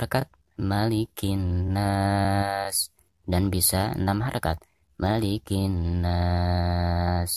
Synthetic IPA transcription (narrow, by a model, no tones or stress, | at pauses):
akat̪̚ | malikinːa | s | danbisanamɦaɾaka̰t̪̚ | malikina | s